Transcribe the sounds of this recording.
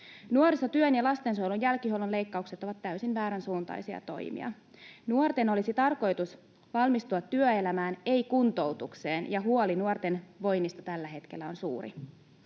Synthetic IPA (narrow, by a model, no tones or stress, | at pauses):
nuoɾisɑt̪yønjɑlɑst̪e̞nso̞jlunjælkiɦolunle̞jkːɑukse̞t̪oʋɑt̪ːæysinʋæːɾænsuːnt̪ɑ̰jsiɑ̰t̪o̞̰jmḭɑ̰ | nuort̪e̞no̞lisit̪ɑrko̞jt̪us | ʋɑlmist̪uɑt̪ːyøelæmæːne̞ikunt̪out̪ukse̞ːnjɑɦuolinuort̪e̞nʋo̞jnist̪ɑt̪ælːæɦe̞t̪kelːæo̞nsṵːrḭ